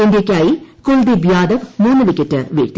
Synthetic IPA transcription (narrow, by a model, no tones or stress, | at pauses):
end̪jekʲːaːjikoɭd̪ibʱjaːd̪ɐʋmuːnːɨlikʲːɐtːɨʋḛːɾt̪i